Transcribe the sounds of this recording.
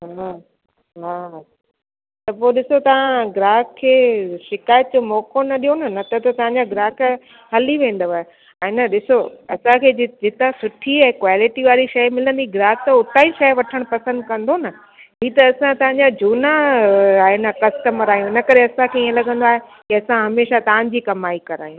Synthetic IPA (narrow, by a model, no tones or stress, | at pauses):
ɦa | ɦaː | t̪ɐpoːɗɪsot̪ɐʋ̤ãɡɾaːkkʰːeːʃɪkaːjət̪̚d͡ʑomɔːkonɐɗijonɐnɐt̪ɐt̪ɐt̪ɐʋ̤ãɲd͡ʑaɡɪɾaːk | ɦɐliʋẽːn̆d̪əʋaːe | ɛ̃ːnɐɗɪsoɐsãkʰeːd͡ʑd͡ʑɪt̪ãsʊʈʰiɛ̃ːkʋaːlɪʈiʋaːɾiʃɐjmɪlə̃nd̪iɡɾaːk̚t̪ɐʊt̪ʰaːiʃɐjʋɐʈʰəɽ̃pɐsə̃nd̪kɐ̃nd̪onɐ | ɦiːt̪ɐɐsãt̪ɐʋ̤ãɲd͡ʑad͡ʑʱuːnaaːɦenɐkɐsʈəməɾaːjũɪnɐkɐɾeɐsãkʰeiːə̃lɐɠə̃n̆d̪oaːɦekiɐsãɦɐmeːʃat̪ɐʋ̤ãɲd͡ʑiːkɐmaːikɐɾa̰ːjũ